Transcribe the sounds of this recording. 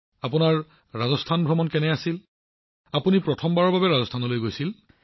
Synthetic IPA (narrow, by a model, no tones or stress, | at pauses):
apunaɹː | azɔstʰanbʱɹɔmɔnkɛnɛasil | apunipɹɔtʰɔmbaɹɔɹbabɛɹazɔstʰanɔlojɡojsil